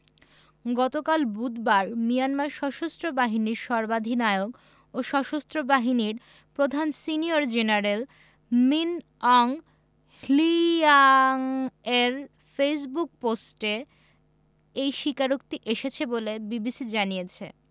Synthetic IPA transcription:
ɡɔt̪okalbud̪baɾmijanmaɾʃɔʃost̪ɾobaɦiniɾʃɔɾbad̪ʱinaeoɡ | oʃɔʃost̪ɾobaɦiniɾ | pɾod̪ʱansinioɾd͡ʑenaɾel | min | ɔŋ | liaŋeɾ | fejs̬buk̚posʈe | ejʃikaɾokt̪iʔeʃet͡ɕʰebolebibisid͡ʑanijet͡ɕʰḛ

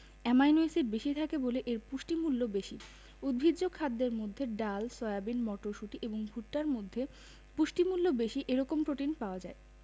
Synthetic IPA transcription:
ɛmajnuesiɾbeʃit̪ʰakeboleʔeɾpuʃʈimulːobeʃi | ud̪̚bʱidʑokʰad̪ːeɾmod̪ʱːeɖalsɔeabinmɔʈoʃuʈiʔeboŋbʱuʈːaɾmod̪ʱːe | puʃʈimulːobeʃiʔeɾɔkompɾoʈinpaoad͡ʑae

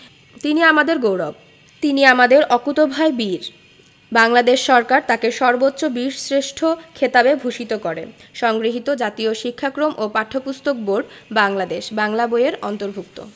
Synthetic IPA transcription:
t̪iniamad̪eɾɡowɾɔb̚ | t̪iniamad̪eɾɔkut̪obʱaebiɾ | baŋlad̪eʃːɔɾkaɾt̪akeʃɔɾbot̪ːɾobiɾsɾeʃʈʰokʰet̪abebʱuʃit̪okɔɾḛʃɔŋɡɾiɦit̪od͡ʑat̪ioʃikʰːakɾomʔopaʈʰːopust̪ok̚boɾɖbaŋlad̪eʃbaŋlaboeɾɔnt̪oɾbʱukt̪o̰

